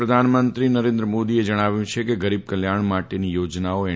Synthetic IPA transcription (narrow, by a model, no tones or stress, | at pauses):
ɾəd̪ʱanmənt̪ɾinəɾẽnd̪ɾəmod̪ied͡ʒəɽ̃aʋjũt͡ʃʰekeɡəɾib̚kəljaɳ̃maʈenijod͡ʒnaoe